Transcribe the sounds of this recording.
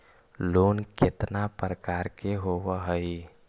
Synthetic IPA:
lonket̪napɾəkaɾkeɦowəɦəj

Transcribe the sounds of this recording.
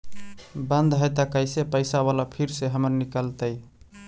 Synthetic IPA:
bə̃nd̪ɦəjt̪əkəjsepəjsabalapʰiɾseɦəməɾnikəlt̪əj

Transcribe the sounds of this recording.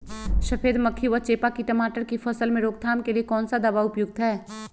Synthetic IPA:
ʃɐfʰeːd̪mɐkʰːiʋət͡ʃeːpakiʈɐmaːʈəɾkifʰɐsəlmẽɾoːɡ̚t̪ʰaːmkeliekɔːnsad̪aʋaʊpjʊɡ̚t̪ɦɛː

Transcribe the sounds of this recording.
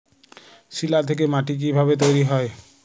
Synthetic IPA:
silat̪ʰek̬emaʈik̬ibʱabet̪ojɾiɦɔe

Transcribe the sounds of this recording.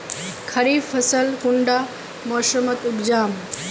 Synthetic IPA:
kʰɐɾiːfʰɐsəlkʊɳɖaː | moːʃəmət̪ʊɡd͡ʑaːm

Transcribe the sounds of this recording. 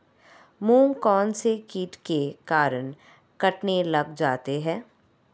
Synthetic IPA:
mũːŋkɔːnsekiːʈkekaːɾən | kɐʈnelɐɡd͡ʒaːt̪eɦɛ̃ː

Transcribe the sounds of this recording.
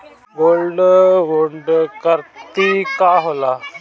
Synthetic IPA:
ʋolɖʋoɳɖkəɾt̪ikaɦola

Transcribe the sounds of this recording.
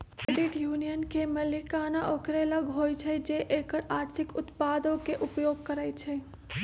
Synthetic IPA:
keɖɪʈjuːnijənkemelɪkaːnaʔoːkɾeləɡɦoːjt͡ʃʰɛd͡ʒeʔeːkəɾaːɾt̪ʰɪkʊt̪paːd̪õkeʔʊpjoːɡ̚kəɾaːit͡ʃʰɛ

